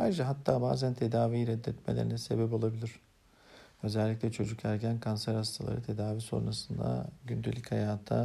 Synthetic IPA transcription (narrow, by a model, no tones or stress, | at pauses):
haɾd͡ʒaɦat̪ʰːaːba̰ːzænt̪ʰe̞d̪aːvijɾɛd̪ːɛt̪mḛlʲeɾinɛse̞̰bɛp̬o̞lˠabilʲiɾ̥ | ø̞zɛlʲːiclʲɛt͡ʃʰo̞d͡ʒukʰæɾɟænkʰansæɾast̪ʰalˠa̰ɾɯt̪ʰe̞d̪aːviso̞̰nɾasɯnd̪a̰ɟynd̪elʲichajaːt̪ʰa̰